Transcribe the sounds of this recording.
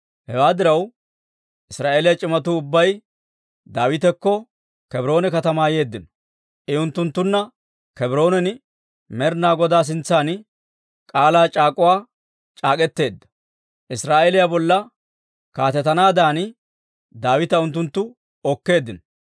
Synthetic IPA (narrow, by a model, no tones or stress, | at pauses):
hɛwaːd̪ɪɾɐw | ʔɪsɾaːʔe̞ːlɪjɐt͡ʃʼɪmɐt̪̬uʊbːɐj | d̪aːwɪt̪ɛkːɔ | kɛbɾo̞ːnɛkɐt̪ɐmaːje̞ːd̪ːɪnɔ̥ | ʔɛʊnt̪ːʊnt̪ːʊnːɐ | kɛbɪɾo̞ːnɛnɪ | mɛɾnaːɡɔd̪aːs̬ɪnt͡sːaːn | kʼaːlaːt͡ʃʼaːkʼʊwaː | t͡ʃʼaːkʼɛt̪ːe̞ːd̪ːɐ̥ | ʔɪsɾaːʔeːlɪjabɔlːɐ | kaːt̪ɛt̪ːɐnaːd̪aːn | d̪aːwɪt̪ɐʊnt̪ːʊnt̪ːʊ | ɔkːe̞ːd̪ːɪnɔ